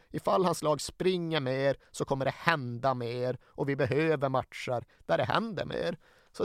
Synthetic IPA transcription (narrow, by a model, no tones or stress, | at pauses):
ɪfalːhanslɑːɡspɾɪŋːəɾmeːɾsɔkʰɔmːəɖɛhɛnd̪ameːɾʔɔvɪbɛɦøːvəɾmat̪ʂaɾ | d̪̥æɖɛɦɛ̰nd̪ə̰ɾmḛːɾ | sɔ